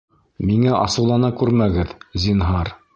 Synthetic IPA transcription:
miŋæʔɑ̰sɤ̆wlˠɑnɑkʉɾmæɡɘðzinɦɑɾ

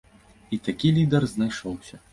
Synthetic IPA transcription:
it̪akʲilʲid̪ɐrznajʂɔwsʲɐ

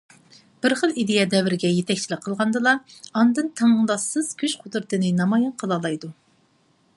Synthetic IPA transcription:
b̥ɪɾχəlˠid̪ejɛd̪ɛvɪɾɪɡʲɛjet̪ʰɛk̚ʲt͡ʃʰilɪqʰːəlˠʁɑnd̪ɨlˠɑɑnd̪ɨnt̪ʰɑnəŋd̪ɑsːɨz̥kʲʰyʃqʰod̪ɾɨt̪ʰɨnɨnɑmɑjɑnqʰəlˠɑlˠɑjd̪u

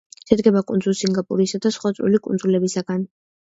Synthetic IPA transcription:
ʃɛd̪ɡɛbakʼund̪zulsiŋɡapʼṵɾisad̪asχwat̪sʼɾṵlikʼunzulɛbisaɡan

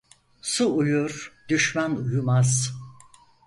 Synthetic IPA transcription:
suujuɾd̪yʃmænujumaz̥

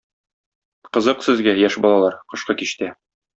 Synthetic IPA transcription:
qɤ̆zɤqsɘ̆zɡæjæʃbɒlˠɑlˠɑɾqɤ̆ʃqɤkiɕt̪æ

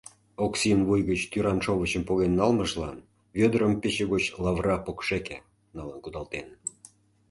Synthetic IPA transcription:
oksinvujɣət͡ɕt̪yɾɑnʃoβət͡ɕəmpoɣenːɑlməʒlɑn | βød̪ɾəmpet͡ɕeɣot͡ɕlɑvrɑpokʃekḛ | nɑlənkud̪ɑlˠt̪en

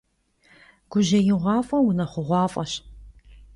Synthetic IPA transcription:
ɡ̥ʷʊʑɐjɪʁʷɑːfʼɐwʊnɐχʷʊʁʷɑːfʼɐɕ

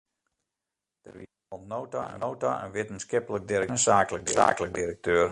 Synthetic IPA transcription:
d̥ə̰rʋi | ɔlˠnowta̰ə̰wta̰ʔə̰nʋɪtənskɪpələk̚diɾəsaːkələk̚dia̰ːkələk̚dirək̚tʰøər

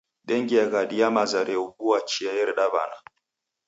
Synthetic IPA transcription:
ɗɛŋɡiaɡaɗijamazaɾeuɡuwat͡ʃijajɛɾɗaba̰na

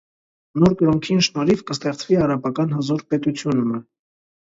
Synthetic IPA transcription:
nɔɾkəɾɔŋkʰinʃnɔɾivkəst̪ɛχt͡sviɑɾɑpɑkɑnhəzɔɾpɛt̪ut͡sʰjunumə

